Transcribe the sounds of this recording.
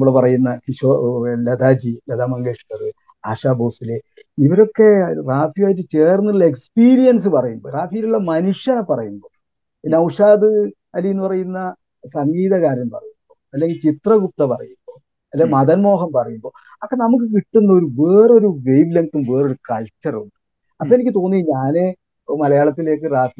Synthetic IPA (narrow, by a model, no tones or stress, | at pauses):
muɭepɐrɐjunːɐkiɕolɐd̪aːd͡ʑilɐd̪aːmɐŋɡeːʂi̥ʈːɐðɨ | aːʂaːboːsile | iʋɐɾo̞kːe̞raːfijaːjitːɨt͡ɕeːrnːiɭːɐekspiːɾijɐns̬ɨpɐrɐjumbo̞ːraːfijiluɭːɐmɐnuʂjapɐrɐjumbo̞ː | pinːɐwuʂaːd̪ɨ | ɐlːijenːupɐrɐjunːɐ | sɐŋɡiːðɐkaːɾjɐmpɐ̰rɐjumbo̞ːɐlːe̞ŋɡilt͡ɕit̪rɐɡup̚t̪ːɐpɐrɐ̰jumbo̞ː | ɐlːemɐðɐnmo̞ːɦɐmpɐrɐjumbo̞ː | ɐpːɐːnɐmuk̬ːɨkiʈːunːɐo̞ɾuʋeːro̞ɾuʋejʋleŋkːumʋe̞ːro̞ɾukɐlt͡ɕːɐruɳɖɨ | ɐpːoenikʲːɨt̪o̞ːnːiɲaːne | mɐlɐjaːɭɐt̪ːile̞ːk̬ːɨraːfi